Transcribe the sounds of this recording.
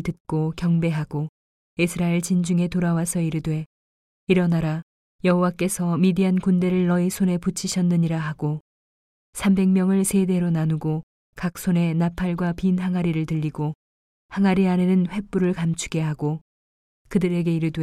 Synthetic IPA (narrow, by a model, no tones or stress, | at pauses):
tɯt̚k͈okjʌŋbe̞ɦaɡ̥o | isʰɯɾaeɭt͡ɕind͡ʑuŋe̞toɾawasʰʌiɾɯdwe̞ | iɾʌnaɾa | jʌɦowak͈e̞sʰʌmidiankunde̞ɾɯɭːʌisʰone̞put͡ɕʰiɕʰʌnːɯɲiɾaɦaɡo | sʰambe̞ŋmjʌŋɯɭsʰe̞de̞ɾonanuɡo | kak̚s͈ʰone̞napʰaɭɡwapinɦaŋaɾiɾɯɭtɯʎːiɡo | haŋaɾianenɯnɸwe̞p͈uɾɯɭkamt͡ɕʰu̥ɡe̞ɦaɡo | kɯdɯɾe̞ɡe̞iɾɯdwe